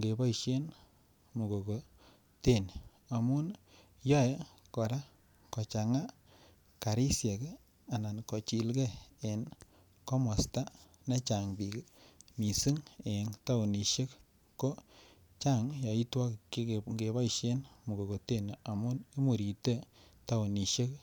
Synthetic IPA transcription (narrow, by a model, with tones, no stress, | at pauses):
ŋɡe˨bɔ˦i˨ʃe˦n | mu˨ɡo˨ko˨ | te˦˨ni˨ | a˨mu˦n | jɔ˦jɛ˦ | kɔ˨ɾa˦ | kɔ˨t͡ʃa˨ŋa˦ | ka˨ɾi˦sjɛ˨k | a˨na˨nkɔ˨t͡ʃi˨lɡe˦e˨n | ko˦mɔ˨sta˦ | na˦t͡ʃa˨ŋbi˨kmi˨si˦ŋe˨nta˦u˨ni˨ʃe˦k | ko˦ | t͡ʃa˦˨ŋjɔ˨i˦twɔ˦kɡe˨bɔ˦i˨ʃe˦nmu˨ɡo˨ko˨te˦˨n˨ʔa˨mu˦ni˦mu˨ɾi˨te˦ta˦u˨ni˨ʃe˦k